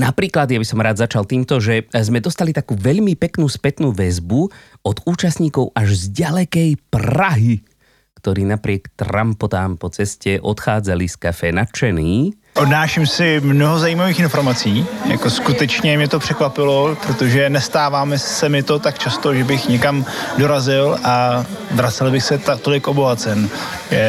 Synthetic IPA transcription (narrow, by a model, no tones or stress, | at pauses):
napɾiːklad̪jabisɔmɾaːd̪zat͡ʃalt̪iːmt̪ɔʒɛzmɛd̪ɔst̪alit̪akuːʋɛʎmipɛknuːspɛt̪nuːʋɛzbu | ɔd̪uːt͡ʃast̪ɲiːkɔʊaʒzɟalɛkɛjpɾaɦi | kt̪ɔɾiːnapɾɪɛkt̪ɾa̰mpɔt̪aːmpɔt͡sɛscɛʔɔt̪xaːd͡zaliskafɛːnat͡ʃɛniː | ʔodnaːʃɪmsɪmnoɦozaiːmaviːxɪnfoɾmat͡siːja̰koskut̪ɛt͡ʃɲɛmɲɛt̪opr̥ɛkvapɪlopɾot̪oʒɛnɛst̪aːvaːmɛsɛmɪt̪ot̪akt͡ʃast̪oʒɛbɪxɲɛkamdoɾazɪlʔavɾat͡sɛlbɪxsɛt̪at̪olɪkʔoboɦat͡sɛn | ʒɛ